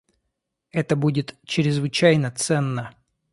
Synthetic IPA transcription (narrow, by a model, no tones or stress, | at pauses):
ɛt̪əbudʲɪt̪t͡ɕɪɾʲɪzvɨt͡ɕæjnət̪sɛnːə